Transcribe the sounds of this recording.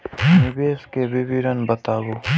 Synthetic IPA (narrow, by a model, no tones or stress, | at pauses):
nɪbeːskebibiɾənbət̪aːboː